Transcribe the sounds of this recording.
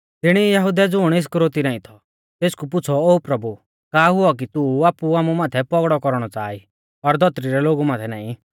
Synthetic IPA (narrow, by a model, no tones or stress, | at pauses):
t̪ɪɽ̃ijɐɦʊd̪ɛd͡zʊɽ̃ɪs̬kɾoːt̪iɾãːĩt̪ʰɔ̥ | t̪eːskup̬ʊt͡sʰɔoːpɾɐbu | kaːɦʊɔk̬it̪uaːpuaːmumãːt̪ʰɛpɔɡɽɔkɔɾɽ̃ɔt͡sa̰ːi | ɔɾd̪ʱɔt̪ɾiɾɛloːɡumaːt̪ʰɛnaːĩ